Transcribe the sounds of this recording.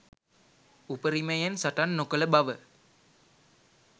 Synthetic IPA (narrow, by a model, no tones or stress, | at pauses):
upəɾiməjənsaʈanːokələbaʋə